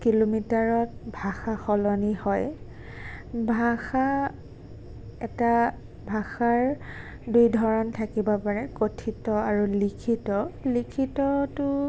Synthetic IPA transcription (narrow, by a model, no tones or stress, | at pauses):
kilomitaɹɔt̚bʱaxaxɔlɔnihɔj | bʱaxa | ɛta | bʱaxaɹ | dujdʱɔɹɔntʰakibapaɹɛkotʰitɔaɹulikʰitɔlikʰitɔtʊ